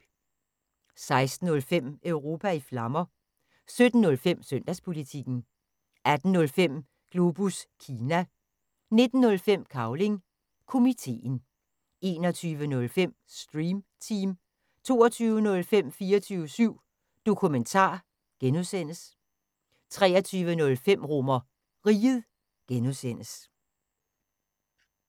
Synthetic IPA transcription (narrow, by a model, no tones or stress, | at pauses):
sɑ̈ɪsd̥n̩ɔ̽lfem̰œʊʁo̝ːpʰæiflɑ̈mɐ | sød̥n̩ːɔ̽lfem̰sœn̰d̥æspʰo̝lit͡sʰiɡ̥n̩ | æd̥n̩nɔ̽lfem̰ | ɡ̥lo̝b̥uskʰiːnæ | ne̝d̥n̩ːɔ̽lfem̰kʰɑ̈ʊle̝ŋ | kʰo̝mit͡sʰe̝̰ːn | e̝ːnɒt͡sʰyːʋənɔ̽lfem̰ | sd̥ʁiːmt͡sʰiːm | t͡sʰo̝̰ːɐt͡sʰyːʊənɔ̽lfem̰fiːɐt͡sʰyːʊəsyʊ̰ | d̥o̝kʰument͡sʰɑ̰̈ː | ɡ̥enuðˠsen̰əs | t͡sʰʁɛ̰ːɐt͡sʰyːʋənɔ̽lfem̰ʁɔmɐ | ʁiːðˠ | ɡ̥enuðˠsen̰əs